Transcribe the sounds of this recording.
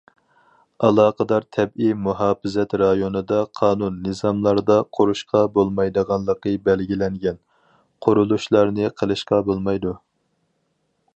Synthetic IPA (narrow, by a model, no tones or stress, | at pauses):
ɑlˠɑːqəd̪ɑɾt̪ʰɛbimuɦɑːpɪzɛt̪ɾɑjonɨd̪ɑqʰɑːnunːɨzɑmlˠɑɾd̪ɑqʰoɾuʃqɑbolˠmɑjd̪əʁɑnlˠəqəbɛlɡʲilɛŋɡʲɛn | qʰʊɾulˠuʃlˠɑɾnɨqʰəlˠɨʃqɑbolˠmɑjd̪u